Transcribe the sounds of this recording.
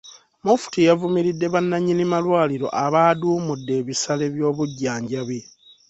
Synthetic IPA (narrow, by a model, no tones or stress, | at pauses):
mufu̥tijavumiɾidːe̞βanːaɲːinimalwaːliɾo̞̰ʔaβaːduːmudːe̞ːβisale̞βjo̞ːβuɟːaːɲɟaβe